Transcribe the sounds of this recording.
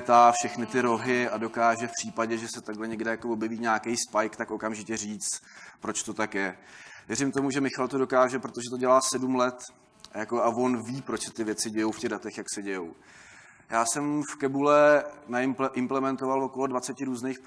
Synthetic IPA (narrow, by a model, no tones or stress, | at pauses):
t̪aːfʃɛxnɪt̪ɪɾo̞ɦɪado̞kaːʒɛfpr̥iːpaɟɛʒɛsɛt̪aɡɦlɛɲɛɡdɛjakovo̞bjɛviːɲaːkejspajkt̪akʔo̞kamʒɪcɛriːt͡st̪pɾo̞t͡ʃt̪o̞t̪akjɛvjɛɾɪmt̪o̞muʒɛmɪxalt̪odo̞kaːʒɛpɾo̞t̪o̞ʒɛt̪oɟɛlaːsɛdumlɛt̪ | jako̞avo̞nviːpɾot͡ʃsɛ̥t̪ɪvjɛt͡sɪɟɛjowfcɛɣdat̪ɛxjaksɛɟɛjow | jaːsɛmfkɛbulɛnaɪʔɪmplɛmɛnt̪ovalvo̞ko̞lo̞dvat͡sɛcɪɾuːznejx